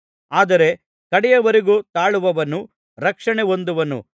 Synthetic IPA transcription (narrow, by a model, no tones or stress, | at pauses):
aːd̪ɐɾe̞ | kɐɽɛjɐʋɐɾeɡuːt̪aːɭuʋɐʋɐnːu | ɾɐkʂɐɳeo̞nd̪uʋɐnṵ